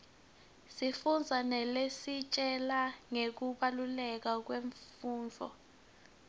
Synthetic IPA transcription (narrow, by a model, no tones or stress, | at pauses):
sifund͡zʱanɛlesit͡ʃʼɛlaŋek̬uɓalulɛk̬ak̬weɱfuːnd͡ɮʱɔ̰